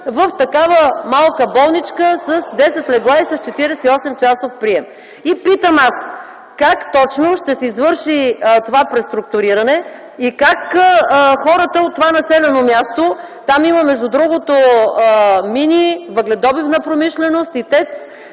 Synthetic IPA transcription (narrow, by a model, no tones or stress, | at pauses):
vəft̪ɐkavəmalˠkəbɔlˠnit͡ʃkəsəsd̪ɛsɛt̪mlɛɡlˠaisɐst͡ʃɛt̪iɾɛsɛiɔsɛmt͡ʃasofpɾiɛm | ipit̪əmas | kakt̪ɔt͡ʃnoʃt̪ɛsɛizvɤɾʃit̪ovapɾɛst̪ɾuk̚t̪ʊɾiɾɐnɛ | ikakː | xɔɾət̪əot̪ːovanɐsɛlɛnomʲjast̪o | t̪amiməmɛʒd̪ud̪ɾuɡot̪oəminʲivəɡlɛd̪ɔbifnəpɾomiʃlɛnost̪it̪ɛk̪s